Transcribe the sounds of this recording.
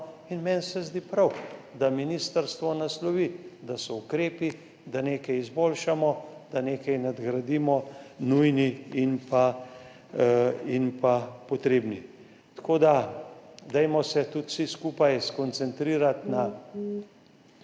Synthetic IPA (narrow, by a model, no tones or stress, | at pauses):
inmɛnsɛzd̪iːpɾawd̪aminiːst̪əɾst̪ʋɔnaslɔʋid̪asɔukɾeːpi | d̪aneːkɛjizboːlʃamɔd̪aneːkɛjnad̪ɡɾɐd̪iːmɔnujniinpa | inpapɔt̪ɾeːbni | t̪koːd̪a | d̪ɛjmɔsɛt̪ut̪siskuːpajskɔnt̪sɛnt̪ɾiːɾat̪na